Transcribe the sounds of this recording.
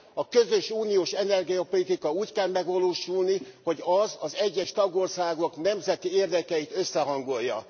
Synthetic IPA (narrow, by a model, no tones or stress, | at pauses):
ɒkø̞zøʃuːnijoːʃɛnɛrɡijɒpolit̪ikɒuːckɛlmɛɡʋɒloːʃulniho̞ɟɒzɒzɛɟːɛʃt̪ɒɡo̞rsaːɡoknɛmzɛt̪ieːrd̪ɛkɛit̪ø̞sːɛɦɒŋɡo̞jːɒ̰